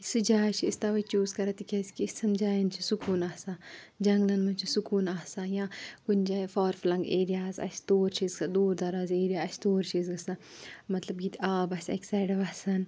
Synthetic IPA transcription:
sɨd͡ʒaːt͡ʃʰiist̪aʋɐt͡ʃuːzkɐɾɐt̪ikʲɐskissɐmd͡ʒaːjɐnt͡ʃʰisukuːnaːsad͡ʒɐŋɡlɐnmɐnt͡ʃʰisukuːnaːsaːjãkund͡ʒaːfaːɾflɐŋɡeːɾijaːzɐ̰sʰt̪oːɾt͡ʃʰiːzkad̪uːɾd̪ɐɾaːzeːɾijaːɐsʰt̪oːɾt͡ʃʰizɡɐsamɐt̪lɐbɡit̪aːbɐsʲɐksaːjɖɐʋɐsɐn

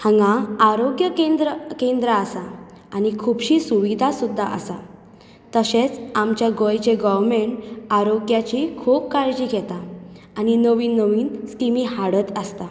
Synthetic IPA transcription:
hə̃ŋɡãaɾoɡjəkend̪ɾəkẽnd̪ɾəːsa | anikʰubɕiːsuʋid̪ʱasud̪ʱːaʔə̰sa̰ | t̪əɕet͡samt͡ɕjaɡojt͡ɕeɡɔʋɾmeɳʈaɾoɡjat͡ɕikʰup̚kaɾd͡ʑiːɡʱɛt̪aː | ninəʋiːnːəʋiːnskimiɦaɽət̪əst̪a

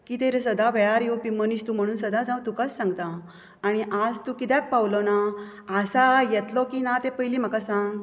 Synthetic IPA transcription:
kiːt̪eɾsəd̪aʋʱɛɭaɾjepim̤ənist̪um̤əɽ̃uːnsəd̪ad͡zãwt̪ukasːãŋɡt̪aː | ɽ̃iʔad͡zt̪ukit̪jɛk̚pawlɔna | asajɛt̪lɔkinat̪epəjliːm̤əkasãŋɡ

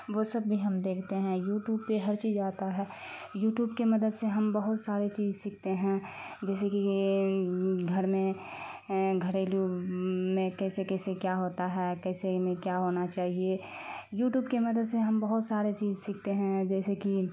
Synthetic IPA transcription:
ʋosɐbːʱiɦɐmd̪eːkʰt̪eɦɛ̃juːʈjuːb̚peɦɐɾt͡ʃiːzaːt̪aɦɛː | juːʈjuːbkemɐd̪əd̪seɦɐmbɐɦʊt̪saːɾet͡ʃiːzsɪkʰt̪eɦɛ̃ | d͡ʒɛːs̬eki | ɡʱɐɾmẽ | ɡʱəɾeːlumẽkɛːsekɛːsekjaɦoːt̪aɦɛkɛːsemẽkjaɦoːnat͡ʃaːɦie | juːʈjuːbkemɐd̪əd̪seɦɐmbəɦʊt̪saːɾet͡ʃiːzsikʰt̪eɦɛ̃d͡ʒɛːseki

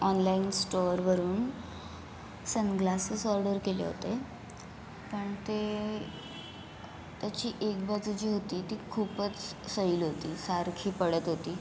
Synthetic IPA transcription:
ɔnlainsʈoɾʋəɾuːn | sənɡlasəsɔɾɖəɾkelḛɦo̰t̪e | pəɳt̪e | t̪jat͡ɕiːʔekbʱat͡sd͡zud͡ʑiːɦot̪iːt̪iːkʰuːpət͡ssəiːlɦot̪iːsaɾkʰiːpəɽət̪ɦot̪iː

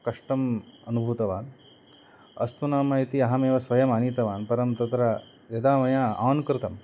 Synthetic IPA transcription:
kɐʂʈɐmɐnubʱut̪ɐʋaːn | ɐ̰st̪unaːmɐit̪iɐɦɐmeːʋɐsʋɐjɐmaːnit̪ɐʋaːnpɐɾɐmt̪ɐt̪ɾa | jɐd̪aːʋɐjãaːwnkɾɪt̪ɐm

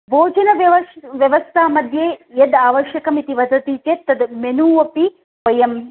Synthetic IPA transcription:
bʱoːd͡ʒɐnɐʋʋɐʋjɐʋɐst̪ʰaːmɐd̪ʱjeːjɐd̪aːʋɐʃjɐkɐmit̪iʋɐd̪ʱɐt̪iːt͡ʃeːt̪ːɐd̪menuːʋɐpi | ʋɐjɐm

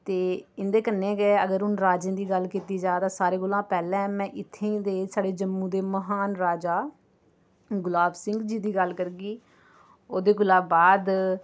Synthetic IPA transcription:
t̪eːɪnd̪eːkənːẽːɡɛːəɡəɾɦʊnɾaːd͡ʒẽːd̪iːɡəlkiːt̪iːd͡ʒaːd̪aːsaːɾeːɡʊlãːpɛːlɛ̃ːmɛ̃ːʔɪt̪ʰːẽːd̪eːsaːɖeːd͡ʒəmːũːd̪eːməɦaːnɾaːd͡ʒaː | ɡʊlaːbsɪ̃ŋɡd͡ʒiːd̪iːɡəlkəɾɡiː | oːd̪eːɡʊlaːbaːd̪

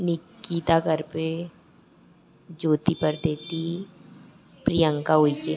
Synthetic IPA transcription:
nɪkːit̪akəɾpe | d͡ʒoːt̪ipəɾd̪eːt̪i | pɾijə̃ŋkaɦoit͡ʃe

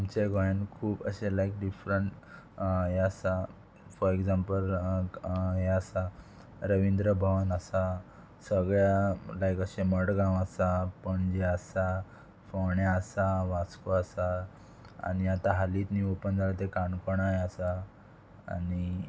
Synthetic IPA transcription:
amt͡ɕeɡɔjə̃nkʰuːpəɕelajk̚ɖifɾəɳʈ | ɦeasa | fɔɾekzãmpəl | ɦeəsa | ɾəʋind̪ɾəbʱəʋənəsa | səɡɭjalajkəɕeməɽɡãwəsapəɳd͡ʑeəsa | fɔɳjaəsaʋat͡skoəsa | a̰niat̪aɦaliːt̪niopənd͡zʱalat̪ekaɳkɔɽ̃ajəsa̰ː | ni

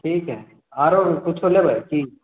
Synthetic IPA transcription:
ʈʰiːkɦɛː | aːɾokʊt͡ʃʰolebʱajkʰiː

